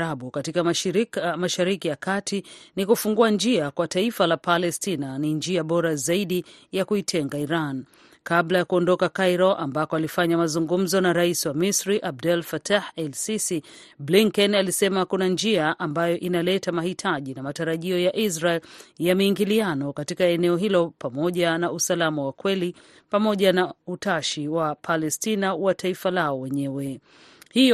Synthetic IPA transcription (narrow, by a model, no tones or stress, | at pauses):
aɓukatika | maʃaɾikijakatʰinikufuŋɡuand͡ʒiakwataifalapalɛstinanind͡ʒiaɓɔɾazaiɗijakuitʰɛŋɡaiɾan | kablajakuɔndɔkakajɾɔʔambakɔalifaɲamazuŋɡum̩zɔnaɾaisiwamisɾiʔab̚dɛlfatahɛlsisi | bliŋkɛnalisɛmakunand͡ʒiaʔambajɔʔinalɛtamahitʰaʄinamataɾaʄiɔjaʔisɾaɛljamiiŋɡilianɔkatikaɛnɛɔɦilɔpamɔʄanausalamawakwɛli | pamɔʄanautaʃiwapʰalɛstinawatʰaifalaɔwɛɲɛwɛ | hij